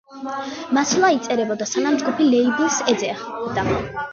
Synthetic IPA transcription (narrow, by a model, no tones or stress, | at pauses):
maslˠait̪sʼɛɾɛbɔd̪asanamd͡ʒɡupʰilɛibisɛd̪zɛaχbd̪a